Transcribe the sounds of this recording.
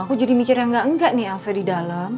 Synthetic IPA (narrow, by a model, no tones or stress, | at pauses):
akud͡ʒadimikɪrjaŋɡaʔəŋɡaʔniɦasadidalam